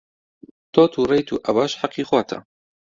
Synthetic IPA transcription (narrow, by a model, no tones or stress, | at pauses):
t̪ʰɔːt̪ʰuːrejt̪ʰṵːʔɐbɑːʃħaqːiːxwɑːt̪ʰa̰